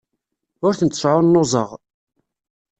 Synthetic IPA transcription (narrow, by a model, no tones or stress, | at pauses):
ʊɾθənt̪ːə̥ʃʕʊnːozˤəʁ